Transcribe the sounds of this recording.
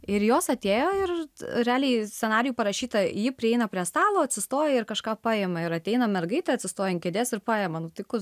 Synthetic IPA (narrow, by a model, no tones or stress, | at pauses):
ɪɾjoːsɐt̪ʲeːjoːɪrɾʲɛɑːlʲɛɪsʲt͡sʲɛnɑːɾʲɪjuːpɐɾɐʃʲiːt̪ɐjiːpʲɾʲɪɛɪnɐpʲɾʲiɛst̪ɑːlˠoːɐt̪ʲsʲɪst̪oːjɛɪɾkɐʃkɑːpɑːjeːmɐɪɾɐt̪ʲɛɪnɐmʲɛrɡɐɪt̪ʲɛɐt̪ʲsʲɪst̪oːjɛɪnkʲɛd̪ʲeːsɪɾpɑːjeːmɐnʊt̪ʲɪkʊ